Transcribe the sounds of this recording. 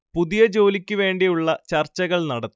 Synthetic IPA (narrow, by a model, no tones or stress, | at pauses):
puðijɐd͡ʑo̞ːlikʲːɨʋe̞ːɳɖijuɭːɐt͡ɕɐrt͡ɕːɐɣɐɭnɐɽɐt̪ː